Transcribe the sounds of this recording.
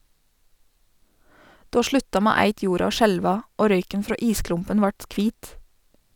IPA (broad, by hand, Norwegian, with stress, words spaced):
ˈdoː ˈʃɭʉtɑ ˈmeː ˈæɪt ˈjuːɾɑ ˈoː ˈʃɛlʋɑ ˈoː ˈɾœʏkən ˈfɾoː ˈiːˌsklʊmpən ˈʋɑʈ ˈkʋiːt